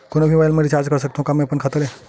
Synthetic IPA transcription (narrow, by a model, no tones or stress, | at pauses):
konobʱiʋajlmeɾit͡ʃaːɾd͡ʒkəɾsəkt̪aɦũkamẽɐpənkʰət̪əle